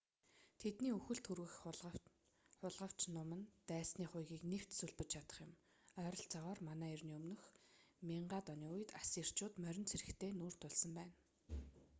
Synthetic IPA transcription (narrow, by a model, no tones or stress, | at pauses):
t̪ʰet̪niːɵxɘ̆ɬt̪xɵrɣɘ̆x | χʊɮʁə̆w̥t͡ɕnʊmə̆nt̪æːsniːχʊjɣʲiːknew̥t̪suɮpɘ̆t͡ɕt͡ɕʰat̪ə̥̆χjɪ̆m | œːɾə̆ɮt͡saʁɔːrmanæːirniːɵmnɵ̆xmʲiɴɢaːt̪ɔniːʊjɘ̆t̪asir̥t͡ɕʊːt̪mœɾʲɪ̆nt͡sʰeɾɘ̆kt̪ʰeːnuːr̥t̪ʰʊɮsə̆mpæːn